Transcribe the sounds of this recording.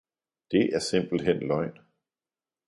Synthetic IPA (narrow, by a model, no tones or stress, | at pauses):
d̥e̝ʔæɐse̝m̰b̥l̩ɦen̰lɒ̽ɪ̰n